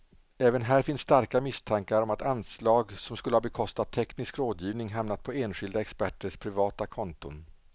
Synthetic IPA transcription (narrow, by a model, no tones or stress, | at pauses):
ɛːvənɦæːɾfɪnsːt̪aɾkamɪst̪ʰaŋkaɾɔmat̪anslɑːɡsɔmskɵləhɑːbɛkʰɔst̪at̪ʰːɛknɪskɾoːd̪jiːvnɪŋɦamnat̪̚pʰɔeːnɧɪld̪aɛkspæʈːəʂpʰɾɪvɑːt̪akʰɔnt̪ʊ̰n